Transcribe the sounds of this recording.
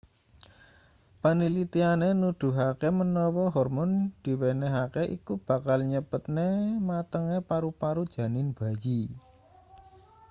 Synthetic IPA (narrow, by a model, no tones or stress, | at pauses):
panilit̪ianenud̪̥ṳɦakemənɔwɔɦɔrmɔnd̪̥i̤weneɦakeʔḭkub̥ä̤kalɲəbət̪̚nemat̪əŋepaɾupaɾud̥ʒ̥ä̤nɪnb̥ä̤ji